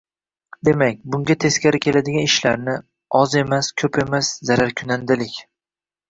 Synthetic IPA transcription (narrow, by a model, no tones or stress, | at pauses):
d̪e̞mak̚ʲbʊŋɡʲat̪ʰe̞skʲaɾɪkʲʰe̞lad̪ɪɡʲanɪʃlaɾnɪ | ɒze̞maskʲʰɵpʰe̞maszaɾaɾkʲʰʊnand̪ɪlɪkʲ